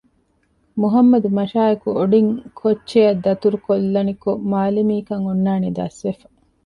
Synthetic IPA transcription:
muɦɐmːɐd̪umɐʃaːekuoɖiŋkʰot͡ʃːt͡ʃːejɐd̪ːɐt̪uɾukolːɐnikomaːlimiːkɐŋonːaːned̪ɐ̰sʋefɐ

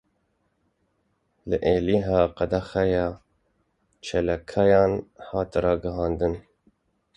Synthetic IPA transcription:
ləʔeːliɦɑːqɑd̪axɛjɑː | t͡ʃʰɛlakʰɑjɑːnhɑːt̪ɾɑːɡəhɑːnd̪ɨn

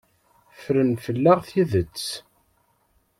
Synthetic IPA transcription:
fɾənfəlːæʁθiðət͡sː

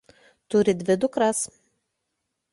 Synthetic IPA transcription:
t̪ʊɾʲɪd̪ʲʋʲɪd̪ʊkɾɐs

